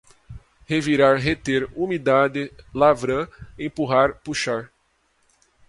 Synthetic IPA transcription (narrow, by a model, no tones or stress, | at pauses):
heviɾaɾɦet̪eɾumid̪ad̪ɪlavɾɐ̃ẽpuɦaɾpuʃaɾ